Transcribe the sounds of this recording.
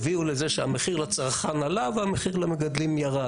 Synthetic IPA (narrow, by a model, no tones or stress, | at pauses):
viulezeʃeameχiʁlot͡saʁχanalavameχiʁlomeɡad̪limjaʁa